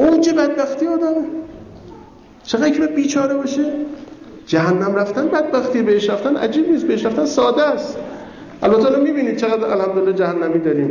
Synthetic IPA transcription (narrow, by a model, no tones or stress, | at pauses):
ʔowd͡ʒe̞bæd̪̚bæxt̪ijeɒːd̪æme | t͡ʃʰeɣæd̪kʰebæd̪̚biːt͡ʃʰɒːɾebɒʃe | d͡ʒæɦænːæmræft̪ænbæd̪̚bæxt̪iːebeheʃɾæft̪ænʔæ̰d͡ʒiːbniːsbeheʃɾæft̪ænsɒːd̪ææst̪ | ʔælbæt̪ʰːeɒːlɔmiːbiːniːd̪̚t͡ʃʰeɣæd̪ɾæ̰lhæmd̪olelːɒːd͡ʒæhænːæmiːd̪ɒːɾiːm